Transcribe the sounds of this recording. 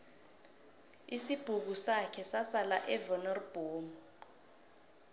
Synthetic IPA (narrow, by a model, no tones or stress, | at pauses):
isib̥ʱuk̬usakʰɛsasalaʔɛvɔnɔrb̥ʱoːmu